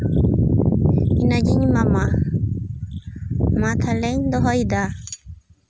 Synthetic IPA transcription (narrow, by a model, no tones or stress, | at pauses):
inad͡ʒiɲmama | mat̪ʰalɛɲd̪ɔɦɔjd̪a